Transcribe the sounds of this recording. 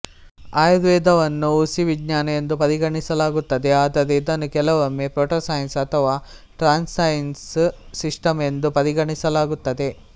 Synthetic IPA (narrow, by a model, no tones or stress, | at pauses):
aːjɐd̪ʋɛːd̪ɐʋɐnːuusiʋiɡɲaːnɐend̪upɐɾiɡɐɳisɐlaːɡut̪ːɐd̪eaːd̪ɐɾed̪ɐnukɛlɐʋɐmːepɾoːʈɐsɐːjɐnsɐt̪ʰɐʋaː | ʈɾaːnsɐjnsː | iʂʈɐme̞nd̪upɐɾiɡɐɳisɐlaːɡut̪ːɐd̪e